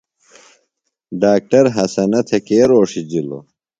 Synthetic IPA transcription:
ɖaːk̚ʈɐɾɦɐsɐnɐt̪ʰekeːɾoːʂid͡ʑilo̰

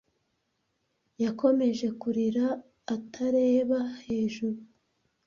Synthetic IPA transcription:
jakʰo̞me̞ʒe̞kuɾiɾaː | tʰaɾe̞ːβahe̞ːʒuɾu

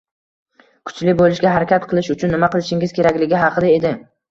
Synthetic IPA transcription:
kʰʊ̥t͡ʃlɪbolˠɪʃɡʲaɦaɾakʲat̪qʰɨlˠɪʃʊt͡ʃʰʊnːɪmaqɨlˠɪʃɪŋɪz̥kʲʰe̞ɾakʲlɪɡʲɪɦɑqʰɨd̪ae̞d̪ɪ

